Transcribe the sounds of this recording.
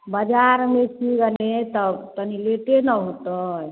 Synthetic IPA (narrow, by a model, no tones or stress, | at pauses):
bəd͡ʒaɾmet͡ʃʰiɡənet̪əbt̪ənileʈenəɦot̪əj